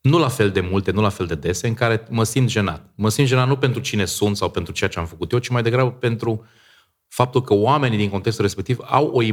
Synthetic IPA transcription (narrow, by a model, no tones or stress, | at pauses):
nulafe̞ld̪e̞mult̪e̞nulafe̞ld̪e̞d̪e̞se̞ɨŋkaɾe̞məsint̪ʒe̞na̰t̪̚məsint̪ʒeat̪nupe̞nt̪ɾut͡ʃine̞sunt̪sawpe̞nt̪ɾut͡ʃe̞at͡ʃe̞amfəkut̪jet͡ʃimajd̪e̞ɡɾabəpe̞nt̪ɾu | fap̚t̪ulkəoame̞nid̪iŋko̞nt̪ekst̪ulɾespe̞k̚t̪iva̰wo̞i